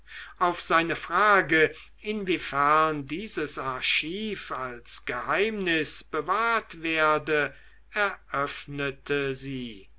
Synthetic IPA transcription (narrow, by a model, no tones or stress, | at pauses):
ʔaʊfz̥aɪnəfʁ̥aːɡə | ɪnvifɛɐndiːzəsaɐʃiːfalsɡ̥əhaɪmnɪsb̥əvaːɐtv̥eːɐdə | ɛɐʔœfnətʰəziː